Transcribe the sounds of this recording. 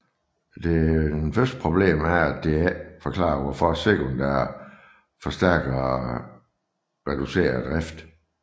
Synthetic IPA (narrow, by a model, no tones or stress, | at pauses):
d̥e̝ænfɶɐsd̥̚pʰʁo̝b̥le̝̰ːmæɐæd̥e̝æfɒ̽kʰlɑ̰̈ːʋɒfɒæse̝kʰond̥æɐ | fɒ̽sd̥æɐ̰ɡ̥ɐ | ʁɛd̥use̝̰ːɐd̥ʁafd̥